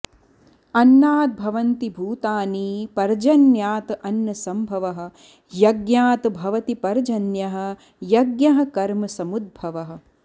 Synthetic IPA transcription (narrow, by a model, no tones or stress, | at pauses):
ɐnːaːt̪̚bʱɐʋɐnt̪ibʱuːt̪aːniːpɐɾd͡ʒɐnjaːt̪ʔɐnjɐsɐmbʱɐʋɐɦɐ̆ | jɐɡjaːt̪bʱɐʋɐt̪ipɐɾd͡ʒɐnjɐɦɐ̆ | jɐɡjɐɦɐ̆kɐɾmɐsɐmud̪̚bʱɐʋɐɦɐ̆